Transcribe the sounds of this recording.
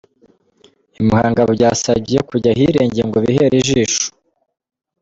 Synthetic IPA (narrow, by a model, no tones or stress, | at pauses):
imuhaːŋɡaβuɟaːsabɟijekuɟaɦiɾeːɲɟejeŋɡoβiɦe̞ɾiʒiːʃu̥